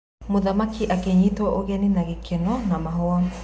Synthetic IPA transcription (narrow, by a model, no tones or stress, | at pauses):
moðamakʰiʔakeɲitwaʔoɣɛninaɣekʰɛnɔnamaɦɔa